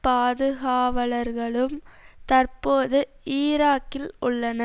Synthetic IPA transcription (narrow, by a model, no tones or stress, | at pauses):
paːðɯɣaːʋɐlɐɾɣɐɭɯmt̪ɐrpoːðɯiːɾaːkɪlʔʊɭːɐnɐ